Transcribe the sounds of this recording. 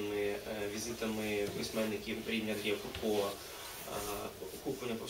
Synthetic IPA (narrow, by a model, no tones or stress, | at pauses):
mɪʋʲizɪt̪ɐmɪpɪsʲmɛnːɪkʲiwɾʲidnʲɐd̪ɾʲijɐkʊrkɔʋɐ | ɔkuplˠɐnʲːɐpɔ